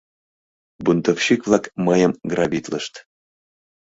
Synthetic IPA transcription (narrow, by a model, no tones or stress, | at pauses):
bunt̪ofɕikvlˠɑkmɤjəmɡrɑbʲit̪ləʃt̪